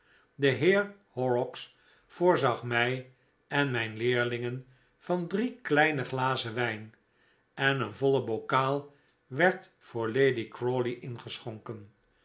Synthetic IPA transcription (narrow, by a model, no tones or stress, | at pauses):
dəɦɪːɹhɔɹɔks | fʊːɹzɑχmɛj | ɛnmɛjnlɪːɹlɪŋən | v̥ɑndriklɛjnəχlaːzəʋɛjn | ɛnənvɔləbowkaːlˠ | ʋɛɹt | fʊːɹlejdikɹoːliʔɪnχəsχɔŋkən